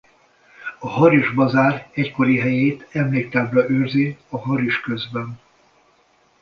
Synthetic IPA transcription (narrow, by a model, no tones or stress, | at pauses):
ɒɦɒɾiʒbɒzaːɾɛcko̞ɾiɦɛjeːt̪ɛmleːk̚t̪aːbrɒʔøːrziɒɦɒɾiʃkø̞zbɛn